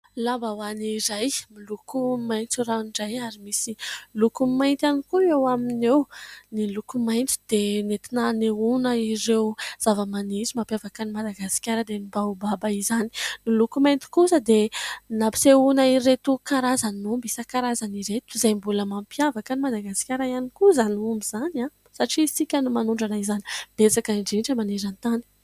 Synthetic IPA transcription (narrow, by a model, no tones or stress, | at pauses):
lambawaniɾajmilukumajnt͡suraunɖ͡ʐajaɾimisilukumajnt̪anikuewaminewnilukumajnt̪i̥d̪̥enet̪inaneunəiɾewz̥avəmanizimampjavakanimad̪aɡasi̥kʲaɾəd̪enibaubabaizani̥nilukumajnt̪i̥kusəd̪enapi̥seunairet̪ukaɾazanumbisakaɾazaniɾet̪uzajmbuləmampjavakanimad̪aɡasi̥kʲaɾaianikuzanumbizana | saʈ͡ʂisikʲanumanuɳɖ͡ʐanaizani̥b̥et͡sakaiɳɖ͡ʐiɳʈ͡ʂəmanizant̪ani̥